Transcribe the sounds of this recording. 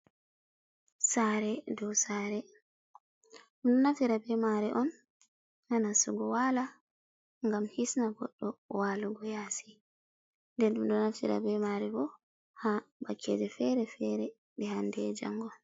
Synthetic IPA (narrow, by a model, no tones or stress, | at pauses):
saːɾɛdɔwsaːɾɛ | ɗumɗɔnaftiɾabɛmaɾɛʔɔn | hanasuɡɔwala | ŋɡamhisnaɡɔɗːɔwaːluɡɔjaːsi̥ | ndɛnɗumɗɔnaftḭɾa̰bɛmaɾɛbɔ | habakːḛd͡ʒɛfɛɾɛfɛɾɛ | ɓɛhandɛd͡ʒa̰ŋɡɔ